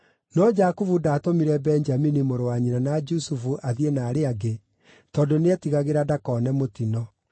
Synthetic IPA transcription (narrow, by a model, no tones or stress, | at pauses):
nɔd͡ʒakuvudaːtomiɾɛbɛnd͡ʒaminimoɾowaɲiɾanad͡ʒusufuʔaðienaːɾeaɡe | tɔːdoneatiɣaɣeɾadakɔːnɛmotinɔ